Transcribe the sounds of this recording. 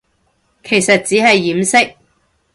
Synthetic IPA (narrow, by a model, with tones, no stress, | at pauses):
kʰe˨˩jsɐ˨t̚t͡siː˨˥ɦɐ˨jːiː˨˥msɪ˥k̚